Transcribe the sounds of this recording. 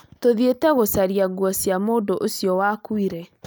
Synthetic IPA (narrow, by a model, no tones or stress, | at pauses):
toðietɛɣosaɾiaɣwɔsjamoːndoʔosjɔwakwiɾɛ